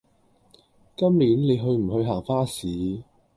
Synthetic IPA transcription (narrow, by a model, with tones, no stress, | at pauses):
kɐ˥mliː˨˥nle˨˧jɦɵ˧ɥm̩˨˩hɵ˧ɥɦaː˨˩ŋfaː˥siː˨˦